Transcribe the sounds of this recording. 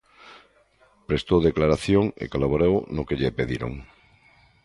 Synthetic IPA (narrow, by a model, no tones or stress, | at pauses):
pɾest̪oðeklaɾaθjoŋḛkalaβoɾewnokeʎepeðiɾo̰ŋ